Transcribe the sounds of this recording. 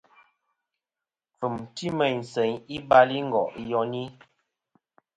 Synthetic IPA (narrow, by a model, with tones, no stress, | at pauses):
p͡fu˨mti˦mɛ˨ɲn˨sɛ˨ɲi˦ba˦li˦ŋ̩˦ɡɔ̰˨ʔjɔ˨ni˦